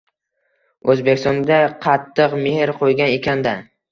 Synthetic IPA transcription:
ɵzbekʲst̪ɒnd̪aqʰɑt̪ʰːɨqmehɾqʰojɡʲane̞kʲʰand̪a

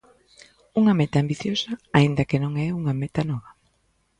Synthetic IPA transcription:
uŋamɛt̪aːmbiθjosɐaind̪ɐkenõŋɛuŋamet̪anɔβɐ

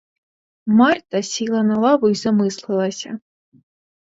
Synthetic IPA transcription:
mɑrt̪ɐsʲilˠɐnɐlˠɑʋʊizɐmɪslˠɪlˠɐsʲɐ̰

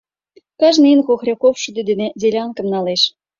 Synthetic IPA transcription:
kɑʒnɤinɣoxrʲekofʃud̪ed̪ned̪ʲelʲɑŋkə̆mnɑleʃ

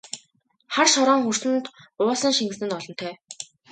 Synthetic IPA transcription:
χarʃɔɾɔːŋxursɘ̆nt̪ʊːsə̆ŋʃiŋɡɘ̆snɘ̆nɔɮɞ̆n̥t̪ʰœː

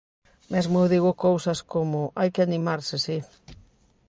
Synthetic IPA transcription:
mezmʊewðiɣʊkowsɐskomʊʔajkɪanimaɾsɪsi

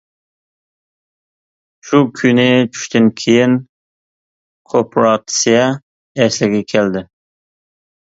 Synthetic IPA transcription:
ʃukʲʰynɪt͡ʃʰy̥ʃt̪ʰɪnkʲʰejɪn | qʰopʰɾɑt̪sijɑ | ɛslɪɡʲɛkʲʰɛld̪ɪ

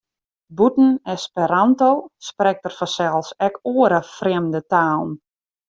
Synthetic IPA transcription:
butn̩ɛspɛɾantoːsprɛk̚tərfɔnsɛlˠsɛkoːəɾəfrɪmdətaːlˠn

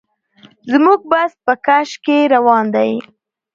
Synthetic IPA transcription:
zmuɡ̚bas̚pəkaʃkeɾawɑnd̪aj

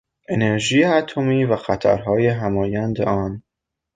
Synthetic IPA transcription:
e̞ne̞ɾʒiːjeæt̪ʰo̞miːvæxæt̪ʰæ̰ɾɦɒːjeɦæmɒːjænd̪ḛɒːn

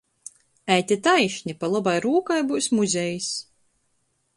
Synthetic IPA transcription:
æjt̪ʲit̪ajʃnʲipalˠɔbajɾuːkajbuwsmuzʲɛjis

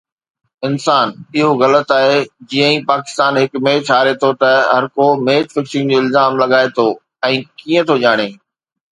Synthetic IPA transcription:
ɪnsaːnɪɦoɣɐlət̪aːɦeːd͡ʑijə̃ĩpaːkɪ̥st̪aːnɦɪkmẽːt͡ɕʰaːɾet̪ʰot̪ɐɦɐɾkomeːtfɪkʃɪ̃ŋɡd͡ʑoːɪlzaːmlɐɠaːet̪ʰo | ɛ̃ːkiːə̃t̪ʰoʄaːɽ̃eː

